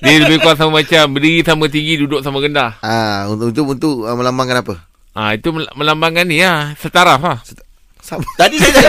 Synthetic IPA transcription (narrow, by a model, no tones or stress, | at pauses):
diələbɪhkuat̪̚samamat͡ʃambədiɾisamat̪̬iŋɡidudʊʔ̚samaɡəndaauunt̪ukunt̪uk̚əməlambaŋkənapə | ʔait̪umməlambaŋaniasət̪aɾafahsə | samat̪adisa